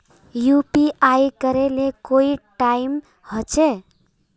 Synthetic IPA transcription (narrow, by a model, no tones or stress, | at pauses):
jupiʔajkʌɾelekoiʈajm | hʌt͡ʃʰe